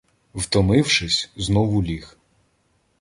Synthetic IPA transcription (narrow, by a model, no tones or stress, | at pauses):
wt̪ɔmɪwʃɪsʲznɔʋʊlʲix